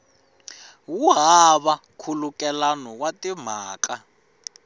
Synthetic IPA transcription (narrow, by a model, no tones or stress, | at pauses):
wuɦaβakʰulukɛlanɔwatim̤aːka